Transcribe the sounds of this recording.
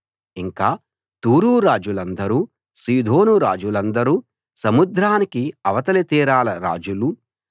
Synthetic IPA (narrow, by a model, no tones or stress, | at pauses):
iŋkaː | t̪uːɾuːɾaːd͡ʒulɐnd̪ɐɾuː | siːd̪ʱo̞ːnuɾaːd͡ʒulɐnd̪ɐɾuː | sɐmud̪ɾaːnikiɐʋɐt̪ɐlit̪iːɾaːlɐɾa̰ːd͡ʒulu